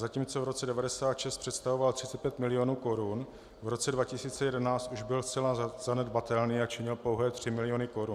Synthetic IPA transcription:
zaciːmt͡so̞vɾo̞tt͡sɛdɛvadɛsaːt̪ʃɛst̪pr̥ɛt̪st̪avo̞valt̪r̥ɪt͡sɛt̪̚pjɛt̪mɪlɪonuːko̞ɾun | vɾo̞t͡sɛdvacɪsiːt͡sɛjɛdɛnaːt͡st̪ʔuʒbɪlst͡sɛlaz̥anɛdbat̪ɛlniːat͡ʃɪɲɪlpowɦɛːt̪r̝̥ɪmɪlɪjo̞nɪko̞ɾun

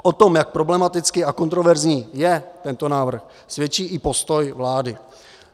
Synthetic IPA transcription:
ʔot̪o̞mjak̚pɾo̞blɛmat̪ɪt͡skɪʔako̞nt̪ɾovɛɾzɲiːjɛt̪ɛnt̪o̞naːvr̩x | svjɛt͡ʃiːʔɪpo̞st̪o̞jvlaːdɪ

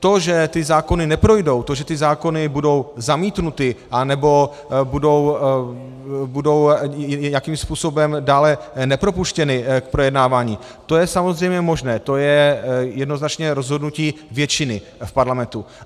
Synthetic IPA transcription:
t̪o̞ʒɛt̪ɪzaːko̞nɪnɛpɾo̞jdo̞wt̪o̞ʒɛt̪ɪzaːko̞nɪbudo̞wzamiːt̪nut̪ɪʔanɛbo̞ | budo̞w | budo̞wjakiːmspuːso̞bɛmdaːlɛnɛpɾo̞puʃcɛnɪk̚pɾo̞jɛdnaːvaːɲiː | t̪o̞jɛsamo̞zrɛjmɲɛmo̞ʒnɛːt̪o̞jɛjɛdno̞znat͡ʃɲɛɾo̞zɦo̞dnuciːvjɛt͡ʃɪnɪ | fpaɾlamɛnt̪u

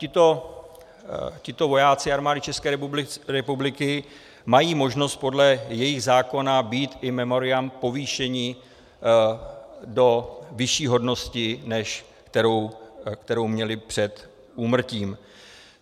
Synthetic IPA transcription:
cɪt̪o̞ | cɪt̪o̞vo̞jaːt͡sɪaɾmaːdɪt͡ʃɛskɛːbɾɛpublɪkɪ | majiːmo̞ʒno̞st̪̚po̞dlɛjɛjɪɣzaːko̞nabiːt̪ʔɪmɛmo̞ɾɪampo̞viːʃɛɲɪ | do̞vɪʃiːɦo̞dno̞scɪnɛʃ | kt̪ɛɾo̞wkt̪ɛɾo̞wmɲɛlɪpr̝̥ɛt̪ | ʔuːmr̩ciːm

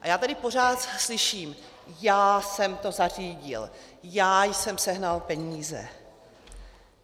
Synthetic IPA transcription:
ʔajaːt̪adɪpo̞r̝aːt̪slɪʃiːm | jaːsɛmt̪o̞zariːɟɪ̰ljaːjsɛmsɛɦnalpɛɲiːzɛ̰

